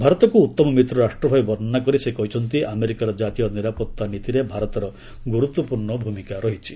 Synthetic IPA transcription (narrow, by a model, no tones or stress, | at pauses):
bʱaɾɔt̪ɔkuːt̪ːɔmɔmit̪ɾɔɾaʃʈɾɔbʱajbɔɾnakɔɾisekɔɦit͡ʃʰɔnt̪iʔameɾikaɾɔd͡ʒat̪ijɔniɾapɔt̪ːanit̪iɾebʱaɾɔt̪ɔɾɔ | ɡuɾut̪wɔpuɾɳɔbʱumikaɾɔɦit͡ʃʰi̥